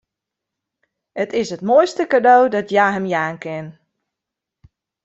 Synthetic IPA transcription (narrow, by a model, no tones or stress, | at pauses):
ətɪsɦətmoːjstəkadowdɔtjaːɦəmjaːnkɪn